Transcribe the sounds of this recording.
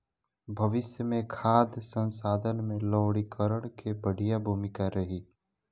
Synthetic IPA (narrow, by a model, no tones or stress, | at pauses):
bʱɐʋɪsjəmẽkʰaːd̪ʱsə̃nsaːd̪ʱənmẽlɔːɽikəɾəɽ̃kebəɽ̤ijabʱuːmɪkaɾɐɦiː